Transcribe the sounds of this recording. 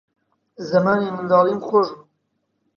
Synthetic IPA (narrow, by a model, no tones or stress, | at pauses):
zɐmaːnimɨnd̪ɑːlimxoʒ